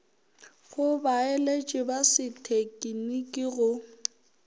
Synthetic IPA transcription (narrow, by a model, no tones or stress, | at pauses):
ɣʊbaelet͡ʃʼɪbasɪtʰekʼinikʼiɣʊ